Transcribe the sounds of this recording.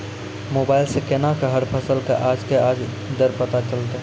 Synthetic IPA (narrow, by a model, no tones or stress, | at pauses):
moːbaːɪlsekenakaɦəɽpʰəsəlkaʔaːd͡ʒkeaːd͡ʒ | d̪əɾpət̪at͡ʃəlt̪